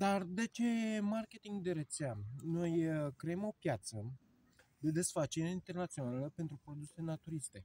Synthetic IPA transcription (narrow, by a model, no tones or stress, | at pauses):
d̪ard̪e̞t͡ʃe̞emarkʲe̞t̪iŋɡd̪e̞ɾet̪seano̞jkɾeemo̞pjat̪sə | d̪e̞d̪e̞sfat͡ʃeɾeint̪e̞rnat̪sio̞naləpe̞nt̪ɾupɾo̞d̪use̞nat̪uɾist̪e̞